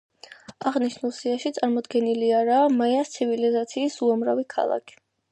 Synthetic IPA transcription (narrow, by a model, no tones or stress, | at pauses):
aʁniʃnulˠsiaʃit̪sʼaɾmɔd̪ɡɛniliaɾaːmajast̪sʰivilizat̪sʰiːsuamɾavikʰa̰lˠa̰kʰi̥